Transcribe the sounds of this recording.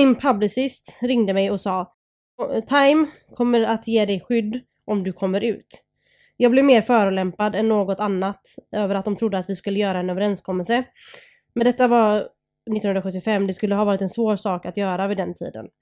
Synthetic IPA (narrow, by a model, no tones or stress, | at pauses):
ɪmpʰablɪsɪst̪ɾɪŋd̪əmɛjɔsɑː | t̪ʰajm | kʰɔmːəɾat̪jeːd̪ɛjɧʏd̪ː | ʔɔmd̪ɵkʰɔmːəɾʉ̟̰ːt̪ | jɑːɡblɛvmeːɾfœːɾʊlɛmpad̪ɛnːoːɡɔt̪anːat̪øːvəɾat̪̚d̪ɔmt̪ʰɾʊd̪ːəat̪vɪskɵlːəjœːɾaɛnøːvəɾɛnskʰɔmːɛlsə | mɛnd̪ɛt̪ːava | nɪt̪ːnɵnɾaɧɵt̪ːɪfɛmːd̪ɛskɵlːəɦɑvɑːɾɪt̪ɛnsvoːɾʂɑːkat̪jœːɾavɪd̪ɛnt̪ʰḭːd̪ə̰n